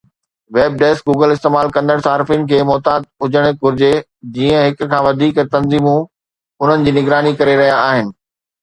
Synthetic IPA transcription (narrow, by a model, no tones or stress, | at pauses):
ʋeːb̚ɖeːsk̚ɡuːɡəlɪst̪eːmaːlkɐ̃nd̪əɽ̃saːɾɪfinɪ̆kʰeːmɔːt̪aːd̪̚ʊd͡ʑəɽ̃eɡʱʊɾɪd͡ʑe | d͡ʑiːə̃ɦɪkkʰãːʋɐd̪ʱiːkt̪ɐnziːmũ | ʊn̤ənɪ̆d͡ʑiːnɪɡɾaːnikɐɾeɾɐɦijaaːɦɪnɪ̆